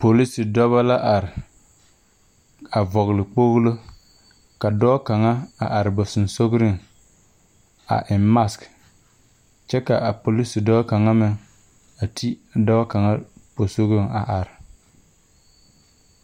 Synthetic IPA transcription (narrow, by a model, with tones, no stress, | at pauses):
po˨li˦sɪ˨dɔ˦βa˦la˦ʔa˨ɾɪ˨ | a˨vɔ˨ɣlɪ˨k͡po˦ɣlo˦ | ka˨dɔː˦ka˨ŋa˦a̰˨ʔa˨ɾɪ˨bɔ˨sʊ˨n˨so˦ɡɾɪ˦ŋ | a̰˨ʔɪ˨mma˦sk | t͡ʃɛ˦ka˨a˨po˨li˦sɪ˨dɔ˦ka˨ŋa˦mɪ˨ŋ | a˨tʰi˦dɔ˦ba˦ka˨ŋa˦po˨so˦ɣɾɪ˦ŋa˨ʔa˨ɾɪ˨